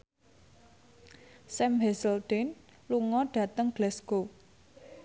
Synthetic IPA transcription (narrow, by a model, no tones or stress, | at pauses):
sɛmɦɛsəld̪̥ɛn | luŋɔɖ̥ä̤t̪əŋɡ̥lɛsko